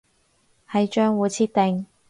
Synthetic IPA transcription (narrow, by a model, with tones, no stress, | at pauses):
hɐ˨˧jt͡ʃœː˥ŋwuː˨˧t͡sʰiː˥t̚t̪e˨˧ŋ